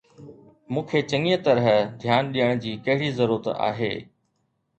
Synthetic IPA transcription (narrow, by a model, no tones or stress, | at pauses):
mũːkʰet͡ɕɐ̃ŋiət̪ɐɾəɦd̪ʱjaːnɗijəɽ̃d͡ʑiːkɐɦɪɽizɐɾuːɾət̪a̰ːɦḛː